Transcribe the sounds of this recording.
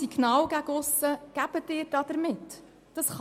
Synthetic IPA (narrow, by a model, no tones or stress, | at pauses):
iɡnɑːwɡæɡəʊsəɡ̥æb̥ətːɪːɾd̥ɑːd̥ɛɾmɪt | d̥ɑsχ